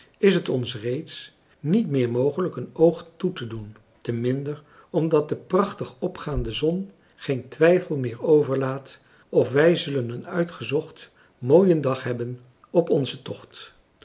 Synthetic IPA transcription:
ɪsɦətɔnsrejts | nitmɪːɹmowχələkənowχtutədun | təmɪndəɹ | ɔmdɑt̚dəprɑχtəχɔpχaːndəzɔn | χejntʋɛjfəlˠmɪːɹowvəɹlaːt | ɔfʋɛjzɵlənənœɥtχəzɔχt | moːjəndɑχɦɛbən | ɔpɔnzətɔχt

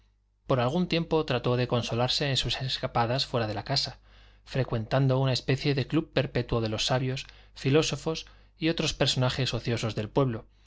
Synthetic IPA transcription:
po̞ɾalɣ̞unt̪je̞mpo̞t̪ɾat̪o̞ðe̞ko̞nso̞laɾse̞ːnsuse̞skapaðasfwe̞ɾað̞e̞lakasa | fɾe̞kwe̞nt̪and̪o̞unaespe̞θje̞ðe̞klubpe̞ɾpe̞t̪woðe̞lo̞sːaβjo̞sfilo̞so̞fo̞s | io̞t̪ɾo̞spe̞ɾso̞naxe̞so̞θjo̞so̞zðe̞lpwe̞βlo̞

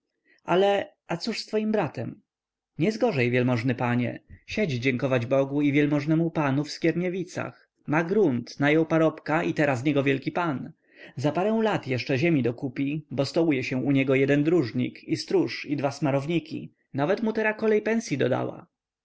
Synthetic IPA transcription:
alɛ | at̪suʂst̪fɔjimbɾat̪ɛm | ɲɛzɡɔʐɛjvʲjɛlmɔʐnɘpaɲɛ̰ɕɛd͡ʑd͡ʑɛŋkɔvad͡ʑbɔɡuivʲjɛlmɔʐnɛmupanufskʲɛɾɲɛvʲit̪sa̰x | maɡɾunt̪najɔ̃wpaɾɔpkaʔit̪ɛɾasɲɛɡɔvʲjɛlkʲipan | zapaɾɛw̃lat̪jɛʂt͡ʂɛʑɛmʲid̪ɔkupʲibɔst̪ɔujɛɕɛ̃ʔuɲɛɡɔjɛd̪ɛnd̪ɾuʐɲḭkist̪ɾuʂid̪vasmaɾɔvɲikʲḭ | navɛt̪mut̪ɛɾakɔlɛjpɛnsʲjid̪ɔd̪a̰wa̰

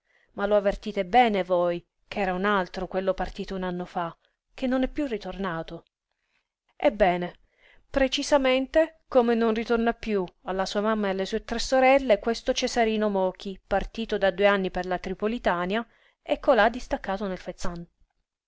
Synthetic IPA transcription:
maloavːert̪iːt̪ebɛːnevoj | k̟ʰɛːɾaunalt̪ɾokwelːopart̪iːt̪ounanːofa | k̟enːonɛpːjurːit̪ornaːt̪o | ḛbːɛːne | pɾet͡ʃizament̪ekomenonrit̪ornapːjualːasuːamamːaealːesuːet̪ɾɛsːoɾɛlːekwest̪ot͡ʃesaɾiːnomɔːk̟ipart̪iːt̪od̪ad̪ueanːiperlat̪ɾipolit̪aːnja | ɛkːolad̪ːist̪akːaːt̪onelfet̪sːan

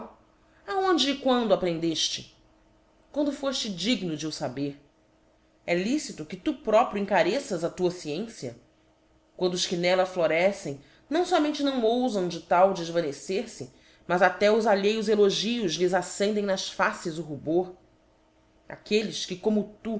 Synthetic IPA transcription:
aõnd͡ʒɪːkwɐ̃nd̪ʊapɾẽnd̪eʃt͡ʃɪ | kwɐ̃nd̪ʊfoʃt͡ʃɪd͡ʒiɡnʊd͡ʒɪʊsabeɾ | ɛlisit̪ʊkɪt̪upɾɔpɾjʊĩŋkaɾesɐzɐt̪uɐsiẽsiɐ̰ | kwɐ̃nd̪ʊʊʃkɪnɛlɐfloɾɛsẽj̃ | nɐ̃w̃sɔmẽnt͡ʃɪnɐ̃w̃owzɐ̃w̃d͡ʒɪt̪awd͡ʒɪɪʒvɐ̃neseɾsɪ | mɐzat̪ɛʊzaʎejʊzeloʒiʊzlɪzasẽnd̪ẽj̃nɐʃfasɪzʊɦuboɾ | a̰kelɪʃkɪkõmʊt̪u

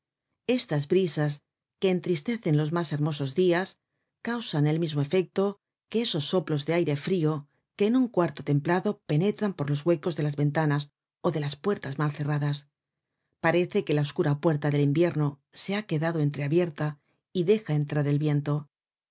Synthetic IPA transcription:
e̞st̪azbɾisas | ke̞ːnt̪ɾist̪e̞θe̞nlo̞zmase̞ɾmo̞so̞zðias | kawsane̞lmizmo̞e̞fe̞k̚t̪o̞ | ke̞eso̞sːo̞plo̞zðeajɾe̞fɾio̞ | ke̞ːnuŋkwaɾt̪o̞t̪e̞mplaðo̞pe̞ne̞t̪ɾampo̞ɾlo̞zɣwe̞ko̞zðe̞lazβe̞nt̪anas | o̞ðe̞laspwe̞ɾt̪azmalθe̞raðas | paɾe̞θe̞ke̞lao̞skuɾapwe̞ɾt̪aðe̞limbje̞ɾno̞se̞ake̞ðaðo̞e̞nt̪ɾe̞aβje̞ɾt̪a | iðe̞xae̞nt̪ɾaɾe̞lβje̞nt̪o̞

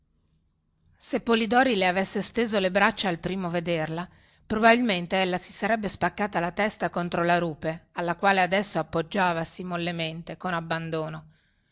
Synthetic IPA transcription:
sepːolid̪ɔːɾileavesːest̪eːzolebɾat͡ʃːaːlpɾiːmoved̪erla | pɾobabilment̪eelːasi̥saɾɛbːespakːaːt̪alat̪ɛst̪akont̪ɾolaɾuːpealːakwaːlead̪ɛsːoapːod͡ʒːaːvasimolːement̪ekonabːand̪oːno

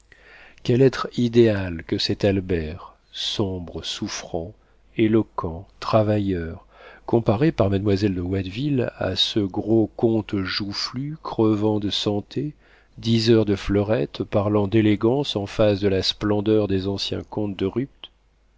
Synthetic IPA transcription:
kʲɛlɛt̪χid̪ealkəsɛt̪albɛʁ | sɔ̃bʁəsufχɑ̃ | elɔkʰɑ̃t̪χavajœʁ | kɔ̃paʁepaʁmad̪mwazɛld̪əwad̪vila̰səɡʁokɔ̃t̪ʒuflykχəvɑ̃d̪əsɑ̃t̪ʰe | d̪izœʁd̪əflɔʁɛt̪paʁlɑ̃d̪eleɡɑ̃sɑ̃fasd̪əlasplɑ̃d̪œʁd̪ezɑ̃sjɛ̰̃kɔ̃t̪̚d̪əʁyp̚t̪

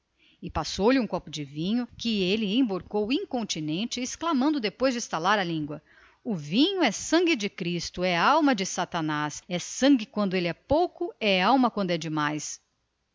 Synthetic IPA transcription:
ɪpasowlɪũkɔpʊd͡ʒɪvĩɲʊkɪelɪẽj̃boɾkowĩŋkõnt͡ʃinẽnt͡ʃɪːsklamɐ̃nd̪ʊd̪epojzd͡ʒɪist̪alaɾɐlĩŋɡwɐ | ʊvĩɲʊɛsɐ̃ŋɡɪd͡ʒɪkɾist̪ʊɛawmɐd͡ʒɪsat̪anasɛsɐ̃ɡɪkwɐ̃nd̪ʊelɪɛpowkʊɛawmɐkwɐ̃nd̪ʊɛd͡ʒɪmajs

